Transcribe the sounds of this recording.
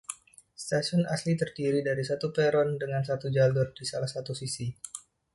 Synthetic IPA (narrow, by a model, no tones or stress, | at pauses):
st̪aʃɔnaslit̪ərdiɾidaɾisat̪upeɾɔndəŋansat̪ud͡ʒaldʊrdisalahsat̪usisi